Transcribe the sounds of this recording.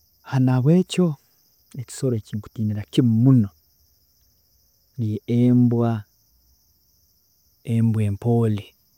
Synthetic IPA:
hanaβwe̞ːco̞ | eci̥so̞ɾociːŋku̥tiːniɾacimmuno̞ | lijeembwa | embwe̞ːmpoːle

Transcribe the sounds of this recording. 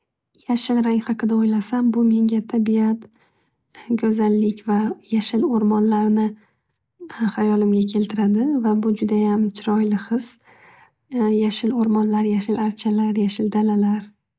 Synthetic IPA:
jaʃɪlɾaŋʲhɑqʰɨd̪aojlasambʊme̞ŋɡʲat̪ʰabiat̪ | ɡʲʰɵzalːɪkʲvajaʃɪloɾmɒnlaɾnɪ | χajɒlɪmɡʲakʲʰe̞lt̪ʰɪɾad̪ɪvabʊd͡ʒʊd̪ajamt͡ʃʰɪɾɒjlɪχɨs | jaʃɪloɾmɒnlaɾjaʃɪlaɾt͡ʃʰalaɾjaʃɪld̪alalaɾ

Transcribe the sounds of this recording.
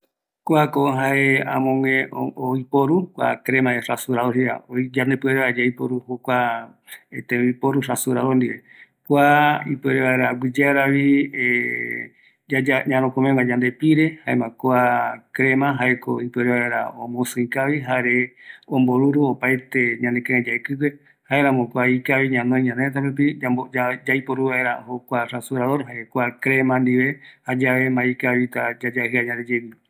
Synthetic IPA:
kʷakoɦaeã̰mõŋẽoipoɾukʷa̰kɾemãeʂasuɾaoɦia̰od͡ʒand̪epɨeɾeβaed͡ʒaipoɾuhokʷa | et̪ẽipoɾuʂasuɾaðond̪iβe | kʷaipɨeɾeβaeɾaɡʷid͡ʒeaɾaβie | ad͡ʒaɲãɾõkomẽŋad͡ʒand̪epiɾehaemãkoakɾemãɦaeko̰ipɨoɾeβaeɾaõmosɨ̃ĩkaβiɦaɾeõmboɾuɾuopajt̪e̞ɲãnd̪ekãẽd͡ʒaekɨke | haeɾamõkʷaikaβiɲãnõĩɲãnet̪̬apup̬iaoad͡ʒaipoɾuβaeɾahokʷaɾasuɾaðoɾɦaʔekoakɾemãnd̪iβe̞had͡ʒaʋe̞maikaβit̪ad͡ʒad͡ʒahɨaɲãnd̪ed͡ʒeni

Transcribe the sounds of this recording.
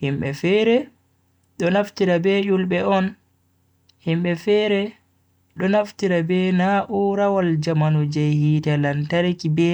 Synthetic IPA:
himɓɛfɛɾɛ | ɗɔnaftiɾabɛjulbɛɔn | himɓɛfɛɾɛ | ɗɔnaftiɾabɛnaʔuɾawald͡ʒamanɔd͡ʒɛjhiːtalantaɾikibɛ

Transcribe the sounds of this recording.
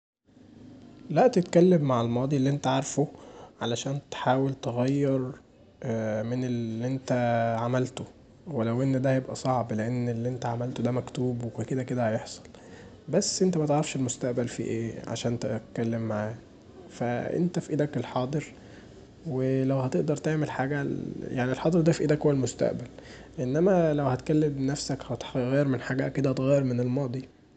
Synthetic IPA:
læʔt̪et̪kælːemːaʕalmɑːd̪ˤilːiʔent̪æʕɑɾˤfoʕalæʃæːnt̪ħaːwelt̪eɣæjːɑɾˤ | meneliʔent̪æʕamælt̪o | welæwʔenːd̪æhæjebʔæsˤɑʕbleʔenːelːiʔent̪æʕamælt̪od̪æmækt̪uːbwekuked̪æked̪æhɑjeħsˤɑ̥l | bæsːʔent̪æmæt̪eʕɾɑfʃelmost̪æʔbælfḭʔeːʕa̰ʃæːnt̪æt̪kːælːemːaʕaː | fæʔḛnt̪æfiʔeːd̪ækelħɑːd̪ˤɨɾ | welæwhæt̪eʔd̪ɑɾˤt̪eʕmelħaːɡæjaʕnielħɑːd̪ˤeɾd̪æfiʔeːd̪ækhowælmost̪æ̰ʔbæl | ʔenːæmælæwhæt̪kælːemnæfsækhæt̪ɣæjːeɾmenħaɡæʔkːed̪æhæt̪ɣæjːeɾmenelmɑːd̪ˤi

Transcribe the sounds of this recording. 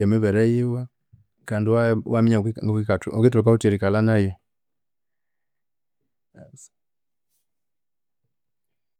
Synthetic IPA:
ɛmiβɛɾɛjiwa | kandiwawamiɲaŋɡɔkikatuɔkit̬ɔɔkautiɾikalanajɛ | s

